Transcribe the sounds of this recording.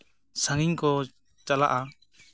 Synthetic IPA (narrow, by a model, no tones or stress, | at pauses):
saŋiɲkɔ | t͡ʃala̰ʔa